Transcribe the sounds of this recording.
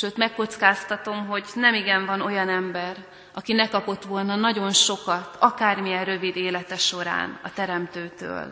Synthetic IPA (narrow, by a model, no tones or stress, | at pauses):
ʃøːt̪mɛkːo̞t̪skaːst̪ɒt̪o̞mɦo̞ɟnɛmiɡɛɱvɒno̞jɒnɛmbɛr | ʔɒkinɛkɒpo̞t̪ʋo̞lnɒnɒɟo̞nʃo̞kɒt̪ʰɒkaːrmijɛnrø̞vid̪eːlɛt̪ɛʃo̞ɾa̰ːnɒ̰t̪ɛɾɛmt̪øːt̪ø̰ːl